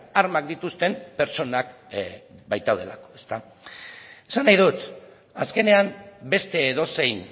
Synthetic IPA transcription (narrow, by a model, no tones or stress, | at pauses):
aɾmak̚d̪it̪ust̪e̞mpe̞ɾt͡ʃo̞nak | bajt̪awð̞e̞la̰ko̞̥e̞st̪a | e̥sanajðut̪ | aske̞ne̞ambe̞st̪e̞ːðo̞se̞jn